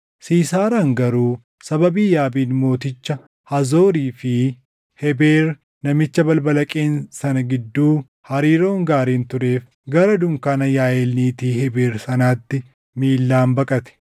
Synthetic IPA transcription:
siːsaːɾɐŋɡɐɾuː | sɐbɐbiːjaːbiːnmo̞ːt̪ɪt͡ʃːɐ | hɐzo̞ːɾiːfɪ | hɛbeːɾ | nɐmɪt͡ʃːɐbɐlbɐlɐkʼeːnsɐnɐɡɪd̪ːuː | hɐɾiːɾo̞ːŋɡaːɾiːnt̪ʊɾe̞ːf | ɡɐɾɐd̪ʊŋkaːnɐjaːjeːlniːt̪iːhɛbeːɾsɐnaːt̪ːɪ | miːlːaːmbɐkʼɐt̪ɛ̥

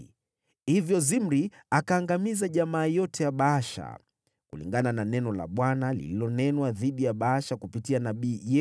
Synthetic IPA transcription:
hivjɔzim̩ɾiakaːŋɡamizaʄamaːjɔtɛjaɓaaʃa̰ | kulḭŋɡanananɛnɔla̰ɓwanalḭlilɔnɛnwaðiɗijaɓaaʃakupitianaɓiːjɛ

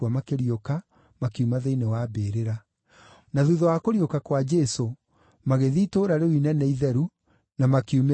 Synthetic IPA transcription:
amakeɾioka | makiumaðeinewabeɾeɾa | naðuðɔwakoɾjokakwad͡ʒɛso | maɣeðiːtoːɾaɾewinɛnɛiðɛɾu | namakiume

